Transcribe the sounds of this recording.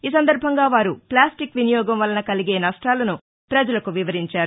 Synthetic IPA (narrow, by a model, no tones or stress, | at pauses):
iːs̬ɐnd̪ɐɾbʱɐŋɡaːʋaːɾuplaːsʈikʋinijɔːɡɐmʋɐlːɐnɐkɐliɡe̞ːnɐʂʈaːlɐnu | pɾɐd͡ʒɐlɐkuʋiʋɐɾiɲt͡ʃaːɾu